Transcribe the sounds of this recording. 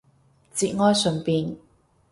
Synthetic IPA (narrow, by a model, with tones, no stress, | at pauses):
t͡siː˧t̚ŋɔː˥jsɵ˨˩npiː˧n